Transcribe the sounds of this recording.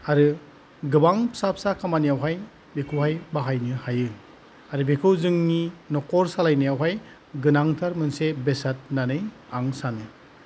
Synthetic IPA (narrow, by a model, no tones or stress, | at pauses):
aɾɯ | ɡɯbaŋpʰsapʰsakʰamanijawɦaj | bekʰɯwɦajbaɦajnɯhajɯ | aɾɯbekʰɯwzɯŋninɔkɔɾsalajnijawɦaj | ɡɯnaŋtʰaɾmɯnsebesat̚nanɯj | aŋsanɯ